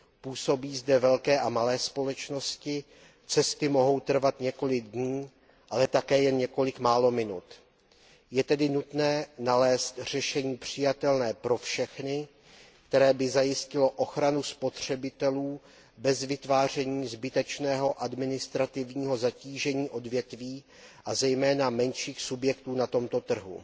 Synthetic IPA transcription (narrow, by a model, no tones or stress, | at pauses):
puːso̞biːzdɛvɛlkɛːʔamalɛːspo̞lɛt͡ʃno̞scɪ | t͡sɛst̪ɪmo̞ɦo̞wt̪r̩vat̪ɲɛko̞lɪɡ̚dɲiː | ʔalɛt̪akɛːjɛnɲɛko̞lɪkmaːlo̞mɪnṵt̪ | jɛt̪ɛdɪnut̪nɛːnalɛːst̪r̝̥ɛʃɛɲiːpr̝̥ɪjat̪ɛlnɛːpɾo̞fʃɛxnɪ | kt̪ɛɾɛːbɪzajɪscɪlo̞ʔoxɾanuspo̞t̪r̝̥ɛbɪt̪ɛluː | bɛzvɪt̪vaːr̝ɛɲiːzbɪt̪ɛt͡ʃnɛːɦo̞ʔadmɪnɪst̪ɾat̪ɪvɲiːɦo̞zaciːʒɛɲiːʔo̞dvjɛt̪viː | ʔazɛjmɛːnamɛnʃiːxsubjɛkt̪uːnat̪o̞mt̪o̞t̪r̩ɦṵ